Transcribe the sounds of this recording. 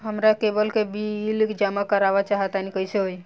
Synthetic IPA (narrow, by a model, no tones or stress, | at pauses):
ɦəmɾakebəlkebʱiːlkd͡ʒamakəɾabat͡ʃaɦət̪anikəiseɦoj